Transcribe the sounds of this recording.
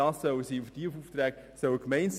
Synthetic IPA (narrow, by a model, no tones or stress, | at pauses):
ɑːsːœwəsiːufətifuːft̪ɾɛːk | sœwəkmɛɪns